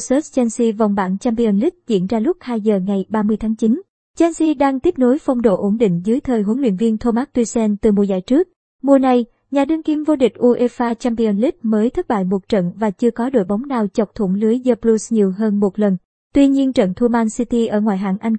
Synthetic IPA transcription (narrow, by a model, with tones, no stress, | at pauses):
sə˦˥t̚t͡ɕɛ˧nsi˧va˨˩wŋ͡mɓaː˧˩nt͡ɕaː˧mpi˧ə˧nli˦˥t̚zḭ˧˩ənzaː˧lʊ˦˥k͡p̚haː˧jzəː˨˩ŋa˨˩jɓaː˧mɨ˧əjt̪ʰaː˨˦ŋt͡ɕi˨˦n | t͡ɕɛ˧nsi˧ɗaː˧ŋt̪i˦˥əp̚no˨˦jfa˧wŋ͡mɗo̰˧˨ʔo˨˦nɗḭ̈˧˨ŋ̟zɨ˨˦jt̪ʰəː˨˩jɦu˨˦əŋlwḭ˧˨ənvi˧ənt̪ʰo˧maː˦˥t̚t̪wi˧sɛ˧nt̪ɨ˨˩m˨˩zaː˧˩jt͡ɕɨ˦˥ək̚ | mu˨˩əna˨˩j | ɲaː˨˩ɗɨ˧ŋki˧mvo˧ɗï˨˩k̟̚ʔu˧ʔe˧faː˧t͡ɕa˧mpi˧ʔə˧nli˦˥t̚məː˨˦jt̪ʰə˦˥t̚ɓa̰ː˧˨jmo˨˩t̚t͡ɕə̰˧˨nvaː˨˩t͡ɕɨ˧əkɔ˨˦ɗo̰˧˨jɓa˨˦wŋ͡mɗaː˨˩wt͡ɕə˨˩wk͡p̚t̪ʰu˧˩ŋ͡mlɨ˨˦əjzəː˧plu˧sɲi˨˩əwɦəː˧nmo˨˩t̚lə˨˩n | t̪wi˧ɲi˧ənt͡ɕə̰˧˨nt̪ʰu˧maː˧nsi˧t̪i˧ʔəː˧˩ŋwa̰ː˧˨jɦa̰ː˧˩˨ŋʔa˧jŋ